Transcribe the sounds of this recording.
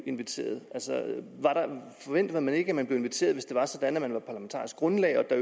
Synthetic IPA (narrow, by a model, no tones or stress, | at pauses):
e̝nʋit͡sʰe̝̰ːɐðˠælsɒʋɑ̈ɾ̥ɑ̈fɒ̽ʋen̰d̥ɐð̩ˠmæne̝ɡ̥əæmænb̥le̝ʊ̝e̝nʋit͡sʰe̝̰ːɐðˠʋe̝sd̥e̝ʋɑsɒ̽d̥ænæmænʋɑ̈pʰɑ̈læment͡sʰɑ̰̈ːisɡ̥ɡ̥ʁɔ̽nlɛ̰ɪɒ̽d̥ɑ